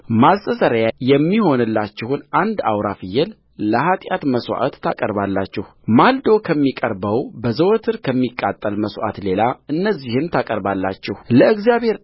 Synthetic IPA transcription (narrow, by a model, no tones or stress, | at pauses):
mazt̪ʼəsəɾjajɛmːiho̞nɨlːat͡ʃːɪhunand̪awɾafɨjːɛl | ləhat̪ʼjat̪məswa̰ʔat̪ːʰakʼəɾbalːat͡ʃːɛh | mald̪o̞kʰəmːikʼəɾbəwbəzəwt̪ʰɨɾkʰəmːikʼːat̪ʼːəlməswa̰t̪le̞laɨnːəzːihɨnt̪ʰakʼəɾbalːa̰t͡ʃːɛhləɨɡzijaβhe̞ɾ